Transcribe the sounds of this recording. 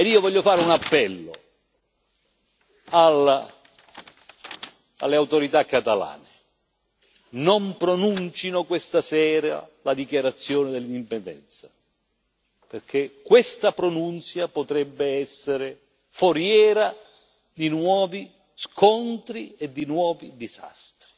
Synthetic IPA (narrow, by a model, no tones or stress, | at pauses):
ed̪iːovɔʎːofaːɾeunapːɛlːo̰ | al | a̰lːeawt̪oɾit̪akːat̪ala̰ːnɪ | nompɾonunt͡ʃinokwest̪asɛːɾa̰lad̪ikjaɾat̪sːjɔːnɪd̪ɛlːind̪ipend̪ɛ̰nt̪sḁ | perkʰekːwɪst̪apɾonunt̪sjapot̪ɾɛbːɪɛsːeɾɪ | foɾjɛːɾa | d̪inwɔːvi | skʰɔnt̪ɾied̪ːinwɔːvid̪iza̰st̪ɾi